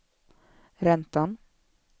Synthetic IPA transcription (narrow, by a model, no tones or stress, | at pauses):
ɾɛnt̪an